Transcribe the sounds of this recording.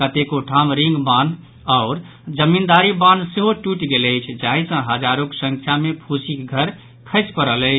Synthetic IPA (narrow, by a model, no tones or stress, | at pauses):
kət̪ekoʈʰamɾiŋɡban | aʊɾ | d͡ʒəmind̪aɾibãnseɦoʈuʈɡeləɪt͡ʃʰd͡ʒaɦisə̃ɦəd͡ʒaɾoksə̃ŋkʰjamepʰusikɡʱəɾ | kʰəɪt͡ʃpəɾələɪt͡ʃʰ